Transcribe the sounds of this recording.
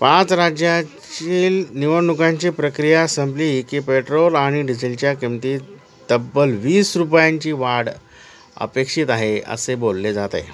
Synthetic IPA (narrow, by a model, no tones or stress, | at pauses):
pãt͡sɾad͡ʑjat͡ɕiːlniʋəɳɖukãɲt͡ɕiːpɾəkɾijasəmblikipeʈɾolaɽ̃iɖid͡zilt͡ɕjakemt̪iː | d̪̥əbːəlʋiːsɾupjãɲt͡ɕiːʋaɽ | ə̰pekʂit̪aɦeə̰sebolːed͡zat̪ḛ